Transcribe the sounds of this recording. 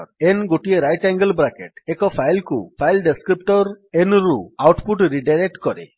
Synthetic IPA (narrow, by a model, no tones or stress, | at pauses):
ɾenɡoʈieɾajʈɛŋɡəlbɾakeʈekɔpʰajlkupʰajlɖeskɾip̚ʈɔɾ | enɾuawʈpuʈɾiɖaɾek̚ʈkɔɾḛ